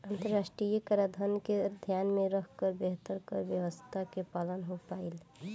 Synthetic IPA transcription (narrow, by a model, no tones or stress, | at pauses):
ənt̪əɾasʈɾijəkəɾad̪ʱənked̪ʱjanmeɾəɦkəɾbeɦt̪əɾkəɾbjəwəst̪ʰakepalənɦopail